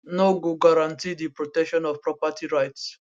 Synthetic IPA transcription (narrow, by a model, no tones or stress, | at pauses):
noɡoɡaɾãntidipɹɔtɛkʃɔ̃nɔvpɹɔpatiɹajts